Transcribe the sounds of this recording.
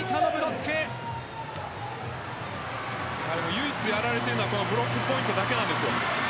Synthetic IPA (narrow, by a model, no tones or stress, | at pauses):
it̪ʰanobɯɾotʰe | amojɯit͡sɨjaɾaɾe̞t̪eɾɯnakonobɯɾokːɯpo̞ĩnt̪od̪ake̞nãnd̪e̞sɨjo